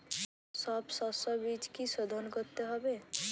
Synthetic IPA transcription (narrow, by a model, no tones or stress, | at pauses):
sɔbsɔsɔbid͡ʒkisɔd̪ʱənkɔɾt̪eɦɔbe